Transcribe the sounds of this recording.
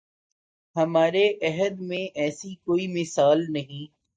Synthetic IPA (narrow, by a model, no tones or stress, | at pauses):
ɦɐmaːɾeʔɐɦəd̪mẽʔɛːsikoːimɪsaːlnɐɦĩː